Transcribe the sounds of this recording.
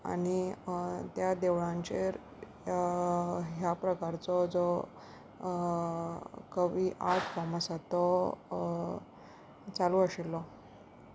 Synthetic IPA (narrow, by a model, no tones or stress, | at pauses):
a̰ñi | t̪jad̪eʋɭãɲt͡ɕeɾ | ɦjapɾəkaɾt͡sɔd͡zɔ | kəʋiʔaʈʰfɔməsat̪ɔ | t͡salũəɕelːɔ